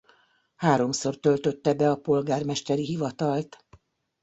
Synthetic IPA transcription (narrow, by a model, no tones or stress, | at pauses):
haːɾo̞mso̞rt̪ø̞lt̪ø̞t̪ːɛbɛɒpo̞lɡaːrmɛʃt̪ɛɾiɦivɒt̪ɒlt̪